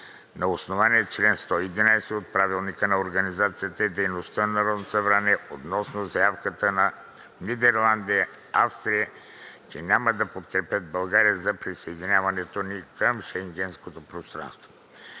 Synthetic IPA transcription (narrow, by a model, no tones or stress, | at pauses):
nɐosnovaniɛt͡ʃlɛnst̪ɔid̪inajsɛot̪̚pɾavilˠnikənɐoɾɡɐnizat̪sijət̪əɛd̪ɛjnost̪ənɐɾɔd̪nosɐvɾanɛot̪nɔsnozɐjafkət̪ənɐ | nid̪ɛɾlˠand̪ijɐ | afst̪ɾiə | t͡ʃɛnʲaməd̪ɐpot̪kɾɛpɛd̪̚bɐlˠɡaɾiəzɐpɾisɐɛd̪inʲjavɐnɛt̪onikəmʃɛŋɡɛnskot̪opɾost̪ɾa̰nst̪vo